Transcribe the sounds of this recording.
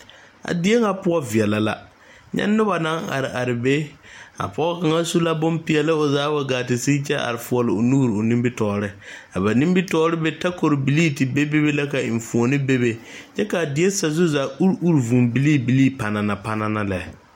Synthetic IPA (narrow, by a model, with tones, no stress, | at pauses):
a̰˨dɪ˦e˦ŋa˦pʊ˦ɔ˦vi˨ɛ˨la˨la˦ | ɲɛ̰˦nːʊ˦ba˨na˦ŋa̰˨ɾɪ˨ʔa˨ɾɪ˨be˦a̰˨pʊ˦ɔ˦ka˨ŋa˦su˦la˦bʊ˦mpi˨ɛ˨lɪ˦ʊ˨zaː˦ba˨ɡaː˨tɪ˨si˦t͡ʃɛ˦ʔa̰˨ɾɪ˨fʊ˨ɔ˨lɪ˨ʊ˨nuː˦ɾʊ˨ni˦mbɪ˦tɔː˨ɾɪ˦a˨ba˨nĩ˦mbi˦tɔː˦ɾɪ˦bɛ˦ta˦ko˨ɾbi˨liː˦tɪ˨be˦be˦be˦la˦ka˨ɪ˨ɱ˨fu˨o˨nɪ˦be˦be˨t͡ʃɛ˦ka˨dɪ˨˦e˦sa˨zʊ˦za˨u˦ɾu˦ɾvu˨mbi˨liː˦bi˨liː˦pa˨na˨na˨pa˦na˦na˦lɛ˨